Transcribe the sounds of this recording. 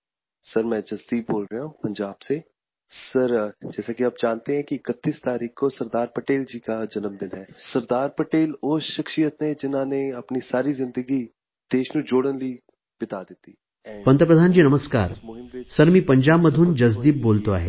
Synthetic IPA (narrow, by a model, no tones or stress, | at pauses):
sɐɾmɛ̃d͡ʒɐzd̪iːpboːlɾɐũpɐ̃ɲd͡ʒaːbse | sɐɾd͡ʒɛːsakiɐbd͡ʒaːnt̪eɦɛ̃kiɪkət̪ːiːst̪aːɾiːkkosɐɾd̪aːɾpɐʈeːld͡ʒiːkad͡ʒɐnəmd̪ɪnɦɛːsɐɾd̪aːɾpɐʈeːloːʃɪkʃijət̪nẽd͡ʒɪnɦãːneɐpnisaːɾizɪ̃nd̪əɡi | d̪̥eːʃnud͡ʒoːɽənli | b̥ɪt̪aːd̪ɪt̪iː | pɐ̃nt̪əp̬ɾəd̪ʱaːnd͡ʒiːnɐməskaːɾsɐɾmĩpɐ̃ɲd͡ʒaːbmɐd̪ʱund͡ʒɐzd̪iːp̚boːlt̪a̰ːɦɛ̰ː